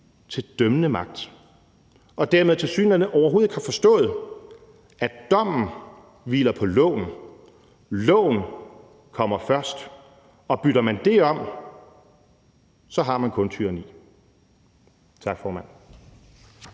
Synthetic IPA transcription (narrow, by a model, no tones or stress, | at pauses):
t͡sʰe̝ld̥œmənəmɑ̈ɡ̥̚d̥ | ʔɒ̽d̥æɐmeðˠt͡sʰe̝lsy̰ːnɐnəʔɒʊɐɦoðˠeɡ̥hɑ̈fɒ̽sd̥ɔ̰̽ːð̩ˠ | ʔæd̥ɒ̽m̰n̩ | ʋḭːlɐpʰɒ̽lɔ̰̽ːn̩ | lɔ̰̽ːnn̩ | kʰɒ̽m̰ɐfɶɐsd̥ | ɒ̽b̥yɾ̥ɐmænd̥e̝ɒ̽m̰ | sɒ̽ɦɑ̈mænkʰɔ̽nt͡sʰyɐnḭː | t͡sʰɑ̈ɡ̥fɒːmæn̰